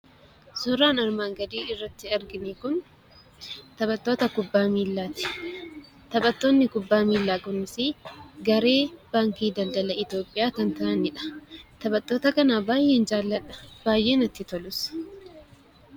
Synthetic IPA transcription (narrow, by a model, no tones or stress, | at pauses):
sʊɾaːnɐɾmaːŋɡɐd̪iːɪrːɐt̪ːɪɐɾɡɪnikʊn | t̪ɐbɐt̪ːo̞ːt̪ɐkʊbːaːmiːlːaːt̪ɪ̥ | t̪ɐbɐt̪ːo̞ːnːɪkʊbːaːmiːlːaːɡʼʊnːɪsɪɡɐɾe̞ːb̥aːŋkiːd̪ɐld̪ɐlɐɪt̪jo̞ːpʼːɪjaːkɐnt̪ɐʔɐnɪᶑɐ̥t̪ɐbɐt̪ʼːo̞ːt̪ɐkɐnaːbaːjːe̞ːnd͡ʒaːlːɐᶑɐ̥b̥aːjːe̞ːnɐt̪ːɪt̪ɔlʊsɐ̥